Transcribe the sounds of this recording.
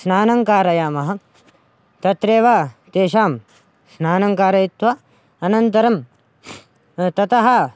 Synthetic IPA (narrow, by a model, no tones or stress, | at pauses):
snaːnɐŋkaːɾɐjaːmɐɦɐ̆ | t̪ɐt̪ɾeːʋaːt̪eːʃaːm | snaːnɐŋkaːɾɐit̪ʋɐ | ɐnɐnt̪ɐɾɐm | t̪ɐt̪ɐɦɐ